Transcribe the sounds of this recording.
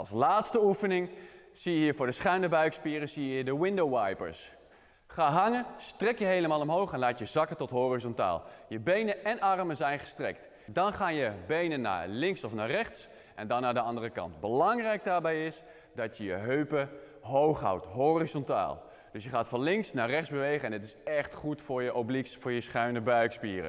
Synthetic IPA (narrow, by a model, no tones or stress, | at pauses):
ɑ̰lˠslaːtstəufənɪŋsijəɦiːɹvʊːɹdəsχɛɥndəbœɥkspiːrəsijəɦiːdəʋɪndowʋajpə̰ɹs | χaːɦɑŋənstrɛkjəɦejləmaːlˠɔmɦowχɛnlaːtjəzɑkətɔtɦoːrizɔnta̰ːlˠjəbejnəɛnɑrməzɛjnχə̥strɛ̰kt | dɑnχaːnjəbejnənːa̰ːlɪŋsɔfnaːrɛχts | ʔɛndɑnaːdəɑndərəkɑ̰ntbəlɑŋrɛjɡ̚daːɹbɛjɪs | dɑtjəjəɦøɥpə | ɦowχɦa̰wtɦoːrizɔnta̰ːlˠ | d̥ɵsjəχaːtfɑnlɪŋksnaːrɛχdzbəʋejχəɛnɪtɪsɛχtχutfʊːɹjəʔoblisfʊːɹjəsχœɥnəbœɥkspḭːrə̰